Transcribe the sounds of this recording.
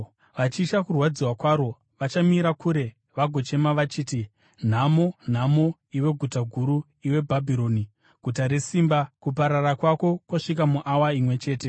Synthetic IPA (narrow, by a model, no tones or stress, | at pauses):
ʋat͡ʃiʃakurwad͡ziwakwaɾo̞ | ʋat͡ʃamiɾakuɾe̞ | ʋaɡʱo̞t͡ʃe̞maʋat͡ʃiːti | n̤amo̞n̤amo | iwe̞ɡʱutaɡʱuɾu | iwe̞bʱabʱiɾo̞ni | ɡ̥ʱutaɾe̞siːmbakup̬aɾarakwako̞kwaʂikamuʔawaimwe̞t͡ʃe̞ːte̞